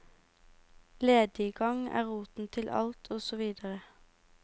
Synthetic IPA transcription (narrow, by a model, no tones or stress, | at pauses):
leːd̪ɪːɡɑŋæ̰ːʁuːt̪n̩t̪ʰɪlʔɑ̰lt̪ʰoːsɔʋiːd̪əʁə